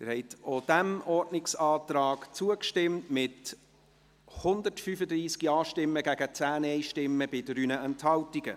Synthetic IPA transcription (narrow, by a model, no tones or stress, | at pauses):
ɪɾhɛɪt̪od̥æmɔrdnɪksɑːt̪rɑːkt͡suəkʃtɪmtmɪt | hʊnd̪ətfyfəd̪ɾiːskiɑːʃtɪmːəɡæɡ̥ət͡sæːnɛɪʃtɪmːəbɪdəɾyːnəɛnthɑltiɡ̥ə